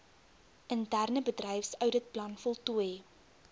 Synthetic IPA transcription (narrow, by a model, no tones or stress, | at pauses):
ʔəntærnəbədrɛjfsœwdət̚plɐnfɔlˠtuj